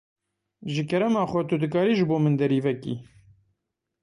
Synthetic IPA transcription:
ʒɨkʰɛɾɛmɑːxʷɛt̪ud̪ɨkaːɾiːʒɨboːmɨnd̪ɛɾiːvɛkḭː

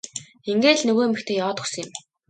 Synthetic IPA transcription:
eŋɡeːɮnɵɣoːmɘ̆kt̪ʰeːjɔːt̪ŭsə̆ŋjɪ̆m

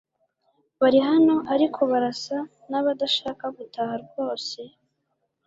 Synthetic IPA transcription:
βaɾiɦano̞ʔaɾikʰo̞βaɾasa | naβadaʃaːkaɡutahaɾɡo̞ːse̞

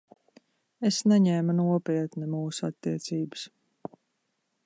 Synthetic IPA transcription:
esnɛɲɛːmunuɔpiɛt̪nɛmuːsua̰t̪ːiɛt̪siːbɨ̥s

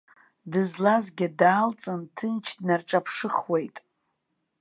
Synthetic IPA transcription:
dɨzlazɡʲɪdaːlt͡sʼɨntʰɨnt͡ʃʰdnarʈ͡ʂʼapʰʂɨχwe̞jtʼ

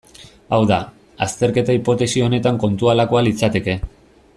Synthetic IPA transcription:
awða | ast̪e̞ɾke̞t̪aipo̞t̪e̞sio̞ne̞t̪aŋko̞nt̪ualako̞alit͡sat̪e̞ke̞

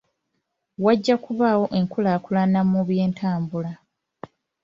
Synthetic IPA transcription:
waɟːakuβaːwo̞ʔe̞ŋkulaːkulanamuβje̞ːntʰaːmbula

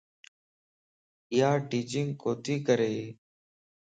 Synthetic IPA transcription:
ɪjaːʈiːt͡ʃɪŋɡkoːt̪iːkəɾeː

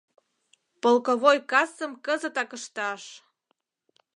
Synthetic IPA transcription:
polkoβojkɑsəmkəzə̆t̪ɑkəʃt̪ɑʃ

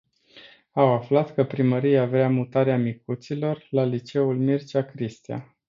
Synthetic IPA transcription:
awaflat̪kəpɾiməɾijeaveamut̪aɾeamik̚ut̪silo̞rlalit͡ʃe̞ulmirt͡ʃakɾist̪ia̰

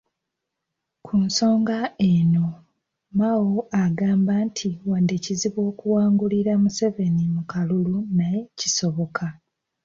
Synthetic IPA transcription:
kʰunso̞ːŋɡae̞no̞ | mawoaɡaːmbantʰiwandeciziβwo̞ːkuwaːŋɡuliɾamuse̞ve̞nimukalulunaje̞ciso̞βo̞kʰa

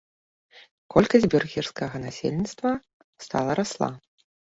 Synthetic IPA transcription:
kɔlʲkɐzʲbʲɛrɣʲirskɐɣɐnasʲḛlʲnʲit̪st̪vɐ | st̪a̰lˠɐɾaslˠa̰

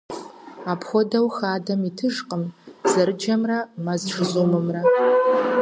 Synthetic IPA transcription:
apʰxʷodawxaːdamitʰɨʐqʼəmz̥aɾɨd͡ʒamramazʈ͡ʂʰzumɨmra

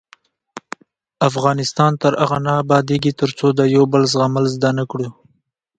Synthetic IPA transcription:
afɣɑnɪst̪ɑnt̪əɾaɣanɑːbɑd̪eɡit̪əɾt͡sod̪əjawbəlzɣaməlzd̪anakɽu

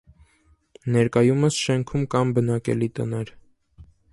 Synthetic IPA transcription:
nɛɾkɑjuməsʃɛŋkʰumkɑmbənɑkɛ̰lit̪ənɛɾ

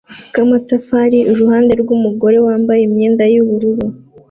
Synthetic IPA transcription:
kamatafaɾiʔuɾuhaːnde̞ɾɡumuɡo̞ɾe̞waːmbajemɲeːndajuβuɾuɾo

